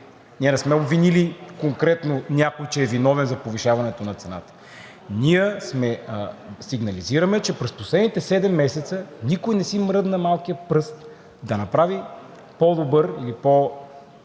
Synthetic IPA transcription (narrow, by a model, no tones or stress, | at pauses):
niənɛsmɛobvinilikoŋkɾɛt̪nonʲjakojt͡ʃɛːvinɔvɛnzɐpoviʃavɐnɛt̪onɐt̪sɛna̰t̪ə̥ | niəsmɛ | siɡnɐliziɾɐmɛt͡ʃɛpɾɛsposlɛd̪nit̪ɛsɛd̪ɛmːɛsɛt̪sənikojnɛsimɾɤd̪nɐmalˠkijəpɾɤst̪ | d̪ɐnɐpɾavi | pɔd̪obɤɾilipo